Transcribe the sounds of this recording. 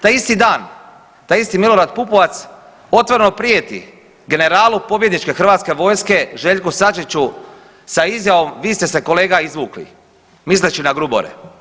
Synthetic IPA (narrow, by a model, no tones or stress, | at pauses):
t̪aːjist̪id̪aːn | t̪aːjist̪imilo̞ɾad̪pupo̞ʋat̪s | o̞t̪ʋoɾeno̞pɾijet̪ḭ | ɡe̞ne̞ɾaːlupo̞bje̞d̪nit͡ʃke̞xr̩ʋaːt̪ske̞ʋo̞jske̞ʒe̞ːʎʲkusat͡ʃit͡ɕu | saizjaʋo̞mʋiːst̪e̞se̞ko̞le̞ːɡaizʋuːklḭ | mislet͡ɕinaɡɾubo̰ɾḛ